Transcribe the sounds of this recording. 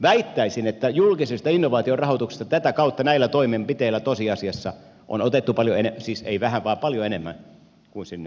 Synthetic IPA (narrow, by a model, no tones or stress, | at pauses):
ʋæit̪ːæisinet̪ːæjulkisest̪ɑinːoʋɑːt̪iorɑhot̪ukse̥st̪ɑt̪æt̪ækɑut̪ːɑnæilːˑæt̪oimempit̪eilːˑæt̪osiɑsiɑsːɑ | ʔo̰not̪et̪ːupɑljoenesiːsḛiʋæhæʋʋɑːpɑljoenemːæ̰n | kuinsinːe